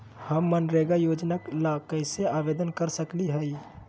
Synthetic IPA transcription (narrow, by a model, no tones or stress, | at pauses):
həmːənɾeɡajod͡ʒnaklakəɪseabed̪ənkəɾsəkliɦɛi